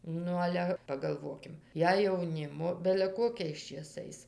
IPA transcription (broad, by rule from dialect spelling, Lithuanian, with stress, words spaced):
ˈnʊ ˈɑːlʲɛ pɐɡɐlˠˈʋoːkʲɪm ˈjɛɪ jɛʊˈnʲɪmoː bʲɛlʲɛ ˈkoːkʲɛɪs t͡ʃʲeːˈsɐɪs